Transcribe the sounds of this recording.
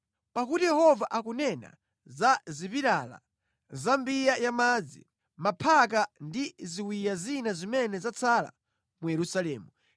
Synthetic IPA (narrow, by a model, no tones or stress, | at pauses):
pak̬utijɛhɔvaʔakunɛna̰ | zazipiɾala̰ | zambijajamad͡zi | mapʰak̬andiziwijazinazimɛnɛzat͡sʰala̰ | mujɛɾusalɛːmu